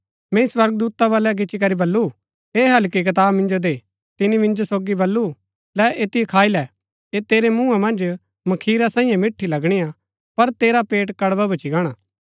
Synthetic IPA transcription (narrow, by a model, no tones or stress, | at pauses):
mɛ̃ĩswɐɾɡəd̪uːt̪aβaːlɛɡ̬ɪt͡ʃik̬ɐɾibɐlːu | eːɦɐlk̬ik̬ɐt̪̬aːbmɪ̃nd͡ʒod̪e | t̪ɪnimɪ̃nd͡ʒosoːɡibɐlːu | lɛʔeːt̪iekʰaːilɛ | eːt̪eːɾemũːãmɐ̃nd͡ʒ | mɐkʰiːɾasãːĩːjãmɪʈʰːilɐɡɽ̃ija | pɐɾt̪eːɾapeːʈkɐɽbabɐt͡ʃiɡaːɽ̃aː